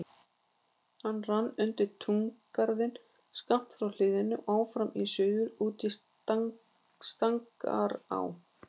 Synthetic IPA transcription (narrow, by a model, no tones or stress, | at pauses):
hanːranːʏnt̪ɪɾt̪ʰuŋkːaɾðɪn | skam̥t̪fɾawl̥ɪːðɪnːʏʔaːwfɾamisœːɥɣʏɾuːt̪i | st̪aŋka̰ɾa̰w